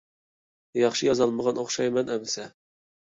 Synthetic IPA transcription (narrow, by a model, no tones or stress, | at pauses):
jɑχʃɨjɑzɑlˠməʁɑnoχʃɑjmɛnæmsæ